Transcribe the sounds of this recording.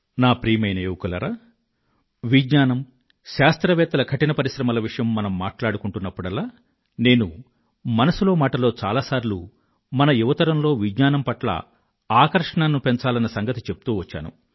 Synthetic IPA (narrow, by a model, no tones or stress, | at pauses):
naːpɾiːmɐjneːʋukɐlɐ̰ɾaː | ʋidɲaːnɐm | ʃaːst̪ɾɐʋɛːt̪ɐlɐkʰɐʈinɐpɐɾiʃɾɐmɐlɐʋiʂɐjɐmːɐnɐmːaːʈlaːɽukuɳʈunːɐpːuɽɐlːaː | ne̞ːnu | mɐnɐsulo̞ːmaːʈɐlo̞ːt͡ʃaːlaːsaːɾlu | mɐnɐjuʋɐt̪ɐɾɐmlo̞ːʋidɲaːnɐmpɐʈlɐ̰ | aːkɐɾʂɐɳaːnːupe̞ɲt͡ʃaːlɐnːɐsɐŋɡɐt̪it͡ʃe̞pu̥t̪uːʋɐt͡ʃːa̰ːnṵ